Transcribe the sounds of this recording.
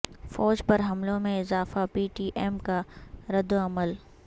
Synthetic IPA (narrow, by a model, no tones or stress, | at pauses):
fɔːd͡ʒpɐɾɦɐmlõmẽɪzaːfapiːʈiːʔeːmkaɾɐd̪oɐməl